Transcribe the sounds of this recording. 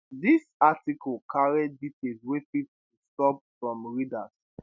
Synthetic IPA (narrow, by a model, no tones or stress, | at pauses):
disatikɔlkʰaɹɛdːiteswefittustɔp̚fɹɔ̃mɹidas